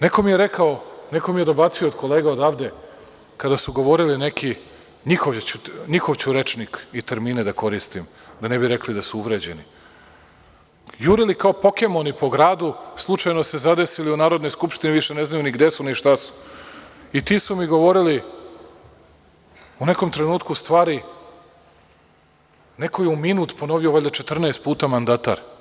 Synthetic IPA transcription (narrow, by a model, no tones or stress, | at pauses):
neko̞mijeɾekaoneko̞mije̞d̪o̞bat̪sio̞ːd̪ko̞leːɡaod̪aʋd̪e̞ | kad̪asuɡo̞ʋo̞ɾiline̞ki | ɲixoʋt͡ɕuɲixo̞ʋt͡ɕuɾe̞t͡ʃnikit̪eɾmiːned̪ako̞ɾist̪im | d̪ane̞biɾe̞klid̪asuuʋɾed͡ʑe̞ni | juɾilikaopo̞ke̞mo̞nipo̞ɡɾaːd̪uslˠut͡ʃajno̞se̞zad̪e̞siliunaːɾod̪no̞jskupʃt̪iniʋiʃene̞znajuniɡd̪esuniʃt̪asu̥ | it̪iːsumiɡo̞ʋo̞ɾili | une̞ko̞mt̪ɾenuːt̪kust̪ʋaːɾi | nekojeuminuːt̪po̞no̞ʋioʋaʎʲat͡ʃe̞t̪r̩nɛest̪̚puːt̪amand̪at̪a̰ɾ